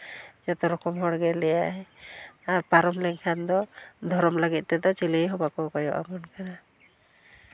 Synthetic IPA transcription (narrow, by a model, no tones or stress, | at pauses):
d͡ʒat̪ɔɾɔkɔmɦɔɽɡɛlɛjaɦɛaɾpaɾɔmlɛŋkʰand̪ɔd̪ʱɔɾɔmləɡit̪̚ˀt̪ɛd̪ɔt͡ʃileɦɔbakɔkɔjɔ̰ʔa̰mɔnkana